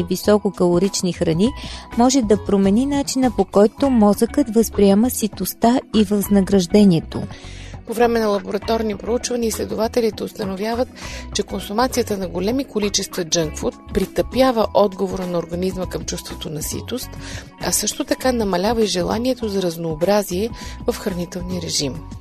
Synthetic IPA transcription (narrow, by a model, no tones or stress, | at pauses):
ivisɔkokɐlˠoɾit͡ʃnixɾɐnimɔʒɛd̪ɐpɾomɛninat͡ʃinəpokɔjt̪omɔzəkət̪vəspɾiɛməsit̪ost̪aivəvznɐɡɾɐʒd̪ɛniɛt̪o̰povɾɛmɛnɐlˠɐboɾɐt̪ɔɾnipɾout͡ʃvɐniəislɛd̪ovat̪ɛlit̪ɛʊst̪ənovʲjavət̪t͡ʃɛkonsʊmat̪sijət̪ənɐɡolɛmikolit͡ʃɛst̪vɐd͡ʒɤŋkfoɾt̪̚pɾit̪əpjavəʔɔd̪ɡovoɾənɐoːɾɡɐnizməkəmt͡ʃust̪vot̪onɐsḭt̪ost̪ | ɐsɤʃt̪ot̪ɐkanɐmɐlʲavəiʒɛlˠa̰niɛt̪ozɐɾɐznoːbɾaziɛvɐfxɾɐnit̪ɛlˠniəɾɛʒim